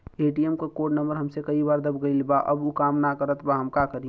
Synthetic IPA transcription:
eːʈijemkakoːɖnəmbəɾɦəmsekəibaːɾd̪əb̚ɡəilbaʔə̰bukaːmnakəɾət̪ʰbaɦəmkakəɾi

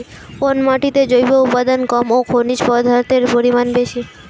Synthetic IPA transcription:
fonmaʈit̪ed͡ʑojboupad̪onkɔmokʰoniʃpɔd̪ʱaɾt̪eɾpoɾimanbeʃi

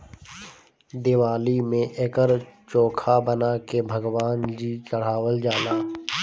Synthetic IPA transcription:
d̪ɪʋaːlimẽʔeːkəɾt͡ʃoːkʰabənakebʱəɡʋaːnd͡ʒiːt͡ʃəɽ̤aːwəld͡ʒaːlaː

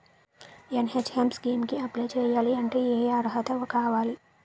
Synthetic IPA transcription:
jɐnɦet͡ʃhemsɡeːmkiɐplet͡ʃejaːliɐɳʈejeːjaːɾɦɐt̪ɐʋɐkaːʋaːli

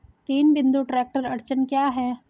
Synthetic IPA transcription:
t̪iːnbɪ̃nd̪uʈɾɛːk̚ʈəɾɐɾt͡ʃənkjaːɦɛː

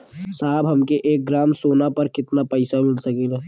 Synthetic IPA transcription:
saːbɦɐmkeʔeːk̚ɡɾaːmsoːnapɐɾkɪt̪napɐɪsamɪlsɐkilɛː

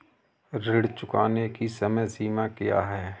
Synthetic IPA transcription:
ɾɪɽt͡ʃʊkaːnekisɐməjsiːmakija̰ɦɛː

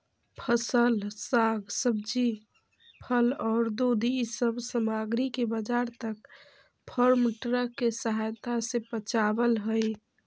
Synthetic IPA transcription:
pʰəsəlsaɡsəbd͡ʒi | pʰəlɔːɾd̪od̪isəbsəmaɡɾikebəd͡ʒaɾt̪ək | pʰəɾmʈɾəkːesəɦajt̪asẽpət͡ʃabəlɦəj

